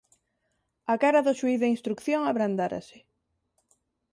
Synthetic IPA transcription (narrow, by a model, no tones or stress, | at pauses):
akaɾaðʊʃuiðeinst̪ɾukθjoŋaβɾand̪aɾa̰sɪ̥